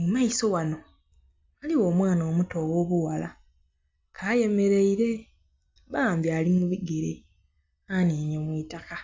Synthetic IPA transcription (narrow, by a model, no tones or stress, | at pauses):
umaiso̞wano̞ | aliwo̞ːmwaːnoːmuto̞wo̞ːβuwala̰ | kʰaːje̞me̞ɾe̞iɾe̞ | βaːmbjaːlimuβiɡeɾḛ | aniːɲomwiːtaka